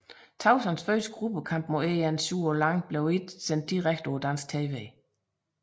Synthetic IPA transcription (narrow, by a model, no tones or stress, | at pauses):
t͡sʰɑ̈ʊsænsføːsə̥ɡ̥ʁub̥əkʰɑ̈m̰b̥moeænsuːɒlɑ̈ŋb̥leʊed̥sen̰d̥̚iʁaɡ̥̚d̥od̥æn̰sɡ̥̚t͡sʰeːʋe